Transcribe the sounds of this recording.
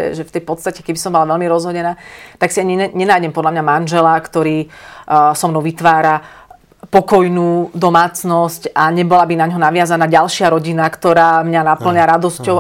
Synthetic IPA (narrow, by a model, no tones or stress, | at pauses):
ɛ̰ʒɛft̪ɛjpɔt̪st̪acɛkɛbisɔmbɔlaʋɛlmiɾɔzɦɔɟɛnaːt̪aksiaɲiɛɲɛnaːjɟɛmpɔd̪lamɲamanʒɛlakt̪ɔɾiː | sɔmnɔʊʋit̪ʋaːɾa | pɔkɔjnuːd̪ɔmaːt͡snɔscaɲɛbɔlabinaɲɦɔnaʋɪazanaːɟalʃɪaɾɔɟinakt̪ɔɾaːmɲanapl̩ɲaɾad̪ɔscɔʊ